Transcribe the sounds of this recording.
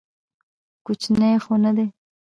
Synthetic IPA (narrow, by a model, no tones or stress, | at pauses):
kut͡ʃnejxonad̪e